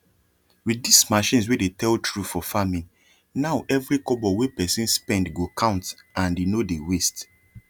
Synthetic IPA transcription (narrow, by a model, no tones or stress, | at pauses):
widismaʃĩns̬wedetʰɛltɹufɔfamĩŋ | naʊʔɛvɹikɔbɔwepɛsĩnspɛ̃ndɡokʰãʊ̃nt | ãndenodewest